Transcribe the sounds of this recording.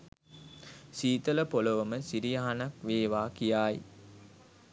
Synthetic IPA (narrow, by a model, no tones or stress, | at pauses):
siːt̪ələpolɐʋɐməsiɾijaɦanɐkʋeːʋaːkijaːji